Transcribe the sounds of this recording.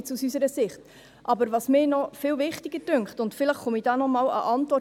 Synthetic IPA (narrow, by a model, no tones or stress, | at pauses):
t͡susysəɾəsɪχt | ʔɑbəɾʋɑsmɪːnɔfɪːlvɪχtiɡ̥əd̥ʏŋkχtʊntfɪləχχumiːdɑnɔmɑːlə̰ʔɑntʋɔ